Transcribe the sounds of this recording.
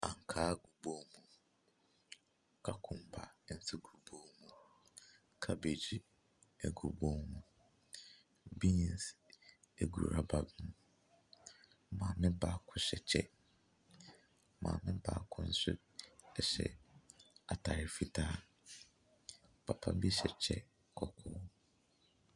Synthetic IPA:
a˨ŋ˨kʰaː˦ɡu˨bo˦mũ˦ | kʰa˨kʰʊ̃˨mbʰa̰˨˦n̩˦tʰɪ˦ɡu˨bo˦mũ˦ | kʰa˦be˨d͡ʑi˦ | ɛ˨ɡu˨bo˦mũ˦ | bi˦ɲi˨s | æ˨ɡṵ˨ɾa̰˨ba˨bũ˦ | mãː˨mɪ̃˦ba˦kʰʊ˦ɕɛ˨t͡ɕʰɛ˦ | mã̰ː˨mɪ̃˦ba̰˦kʰʊ̃˦n̩˦sʊ̰˦ | ɛ˨ɕɛ̰˨ | a˨tʰa˨ɾɪ˨fi˦tʰaː˦ | pʰa˨pʰa˦bi˦ɕɛ˨t͡ɕʰɛ˦ | kʰɔ˨kʰʊ˦

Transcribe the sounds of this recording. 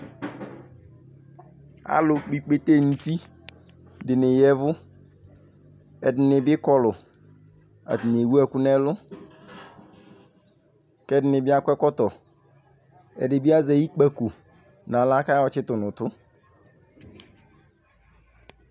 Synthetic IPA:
a̰˦lʊ˨k͡pi˨k͡pe˦te˦˨n̩˦ti˦ | dɪ˨nɪ˨jɛ˦vʊ˦ | ɛ˨dɪ˨nɪ˨bɪ˦kɔ˦lʊ˨ | a̰˨tɪ˨n˨e˨wu˦ɛ˦˨kʊ˦nɛ˦lʊ˦ | kɛ˦dɪ˨nɪ˨bɪ˦a˦kʷɛ˦kɔ˦tɔ˨ | ɛ̰˨dɪ˨bɪ˦a˦za˨i˦k͡pa˨ku˨ | na˨la˦ka˦ɔ˨t͡ʃɪ˦tʊ˨nʊ˨tʊ˦

